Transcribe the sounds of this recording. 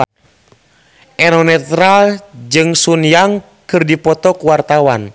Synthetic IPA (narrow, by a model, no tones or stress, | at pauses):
ʔɛnɔnɛt̪ɾald͡ʒɨŋsunjaŋ | kɨrdipɔt̪ɔkuwart̪awan